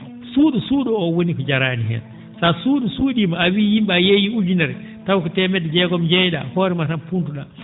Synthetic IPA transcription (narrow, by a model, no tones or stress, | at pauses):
suːɗusuːɗɔɔwonikɔd͡ʒaɾaːniɦɛ̰n | sasuːɗusuːɗimaawijimɓajejiud͡ʒunɛɾɛ | tawkɔtɛmɛdɛd͡ʒɛɡɔmd͡ʒɛjɗa̰hɔːɾɛmasanpuntuɗa̰